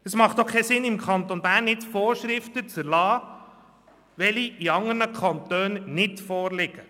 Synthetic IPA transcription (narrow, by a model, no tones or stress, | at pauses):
əsmɑχt̪oχkʰːɛsɪnɪmkʰɑnt̪onbæːɾnːɪtfɔːɾʃɾɪft̪ət͡səɾlɑː | ʋɛliiɑŋəɾnəkʰɑnt̪øːnnɪtfɔːɾlɪɡ̥ə